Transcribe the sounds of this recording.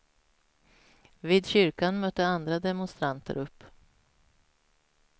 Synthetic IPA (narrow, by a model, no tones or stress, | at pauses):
viːd̪ɕʏɾkanmœt̪ːəand̪ɾad̪ɛmʊnst̪ɾant̪ʰə̰ɾɵpː